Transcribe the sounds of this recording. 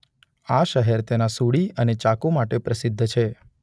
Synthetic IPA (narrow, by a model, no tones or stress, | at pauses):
aʃəɦɛɾt̪enasuɽiənet͡ʃakomaʈepɾəsɪd̪ʱːt͡ʃʰe